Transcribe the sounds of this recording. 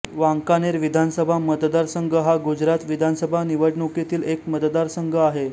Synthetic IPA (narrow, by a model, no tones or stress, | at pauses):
ʋaŋkaneɾʋid̪ʱansəbʱamət̪d̪aɾsəŋɡʱəɦaɡud͡ʑɾat̪ʋid̪ʱansəbʱaniʋəɽɳuket̪iːlekmət̪d̪aɾsəŋɡʱəaɦe